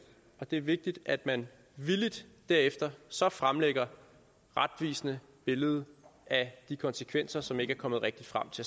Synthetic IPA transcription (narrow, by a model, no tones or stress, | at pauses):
ɒ̽d̥e̝æɐʋe̝ɡ̥̚d̥id̥æd̥mæn | ʋilid̥ːæɐefd̥ɐsɒ̽fʁamleɡ̥ɐ | ʁad̥ʋḭːsnə | b̥e̝ləð̞̩ˠæd̥ikʰɒ̽nsəkʰʋen̰sɐsɒ̽me̝ɡ̥əæɐkʰɒ̽mð̩ˠʁɛɡ̥̚d̥id̥fʁam̰t͡sʰe̝